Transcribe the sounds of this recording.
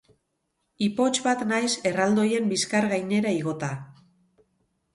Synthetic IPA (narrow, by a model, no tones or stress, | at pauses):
ipo̞t͡ʃbat̪najse̞rald̪o̞je̞mbiskaɾɣajne̞ɾaiɣ̞o̞t̪a